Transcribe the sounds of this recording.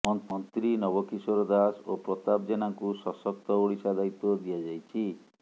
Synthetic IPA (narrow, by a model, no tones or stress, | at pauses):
ɔmɔnt̪ɾinɔbɔkisɔɾɔd̪asopɾɔt̪ab̚d͡ʒenaŋkusɔsɔk̚t̪ɔoɽisad̪ait̪ɔd̪ijad͡ʒajt͡ʃʰi